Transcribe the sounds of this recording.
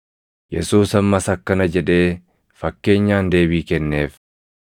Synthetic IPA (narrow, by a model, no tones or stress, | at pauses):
jɛsuːsɐmːɐsɐkːɐnɐd͡ʒɛᶑe̞ː | fɐkːe̞ːɲːaːnd̪e̞ːbiːkɛnːeːf